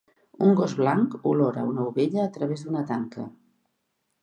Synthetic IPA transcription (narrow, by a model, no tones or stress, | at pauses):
uŋɡɔzβlaŋkulɔɾə̰unəuβeʎəːt̪ɾəβ̞ezd̪unət̪aŋkə̰